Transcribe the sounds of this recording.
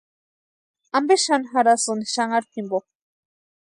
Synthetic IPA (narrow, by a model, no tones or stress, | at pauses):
ambeʃanxaɾasunʃaŋaɾt̪ʰimbo